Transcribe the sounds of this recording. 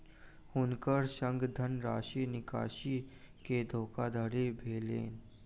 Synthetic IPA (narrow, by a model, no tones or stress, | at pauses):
hʊnkəɾsə̃ŋɡd̪ʱənɾaːʃiːnɪka̰ːʃi | ked̪ʱoːkad̪ʱaɽebʱeːlḛːn